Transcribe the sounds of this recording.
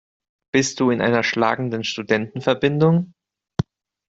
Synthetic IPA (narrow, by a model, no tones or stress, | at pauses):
b̥ɪst̚d̥uːɪnʔa̰ɪnɐʃla̰ːɡŋ̩dənʃtudɛntn̩fɛɐbɪndʊŋ